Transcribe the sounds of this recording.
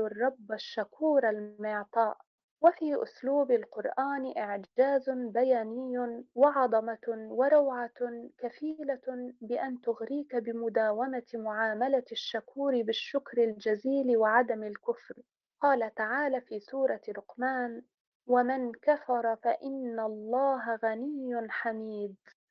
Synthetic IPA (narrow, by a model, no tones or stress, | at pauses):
rˤːɑbːaʃːakuːɾalmɪʕt̪ˤɑːʔ | wafiːʔʊ̰sluːbalqʊɾˤʔaːnʔɪʕd͡ʒaːzʊbajaːnɪjːʊwɑʕɑd̪ˤɑmɑwɑɾˤɑwʕakafiːlabɪʔant̪ʊɣɾiːkabɪmʊd̪aːwamamʊʕaːmalaʃːakuːɾɪbɪʃːʊkɾɪld͡ʒaziːlɪwɪʕad̪amɪlkʊfɾ | qɑːlat̪aʕaːlafiːsuːɾˤɑɾʊqmaːn | wamankafɑɾˤɑfaʔɪnːalˤːɑːɦaɣanɪjːʊnħamiːd̪